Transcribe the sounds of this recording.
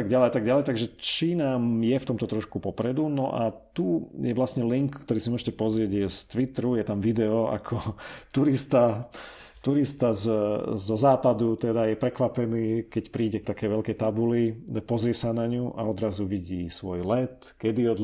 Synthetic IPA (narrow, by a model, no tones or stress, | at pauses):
aɡɟalɛjat̪aɡɟalɛjt̪aɡʒɛt͡ʃiːnamjɛft̪ɔmt̪ɔt̪ɾɔʃkupɔpɾɛd̪unɔʔa̰t̪ujɛʋlasɲɛliŋkkːt̪ɔɾiːsimʊɔʒɛcɛpɔzɾɪɛɟjɛst̪ʋit̪ɾujɛt̪amʋid̪ɛɔa̰kʰɔt̪uɾist̪a | t̪uɾist̪azzɔzaːpad̪ut̪ɛd̪ajɛpɾɛkʋapɛniːkɛcpɾiːɟɛk̚t̪akɛjʋɛlkɛjt̪abuliɛpɔzɾɪɛsanaɲuʔa̰ɔd̪ɾazuʋiɟiːsʋɔjlɛt̪ | kɛd̪iɔd̪